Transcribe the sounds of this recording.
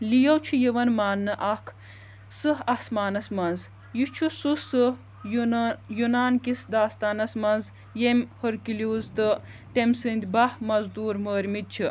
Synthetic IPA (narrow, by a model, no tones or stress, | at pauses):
lijɐwt͡ʃʰujeʋɐnmaːnːɨʔɐkʰ | sɨɦɐsmaːnɐsmɐnz | jit͡ʃʰususɨ | jjunaːnkisd̪aːst̪aːnɐsmɐnz | jemʲhɨɾkilʲuːzt̪ɨ | t̪emsɨnd̪ʲbɐhmɐzd̪uːɾməːɾʲmid̪̚t͡ʃʰi